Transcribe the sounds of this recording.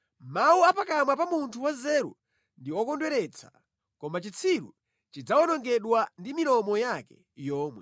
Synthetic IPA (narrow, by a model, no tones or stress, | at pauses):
mawuapakamwapamuntʰuwazɛːɾṵ | ndiɔkɔndwɛɾɛt͡sʰḁ | kɔmat͡ʃit͡sʰiɾṵ | t͡ʃid͡zaɔnɔŋɡɛɗwandimilɔmɔjakɛ | jɔːmwɛ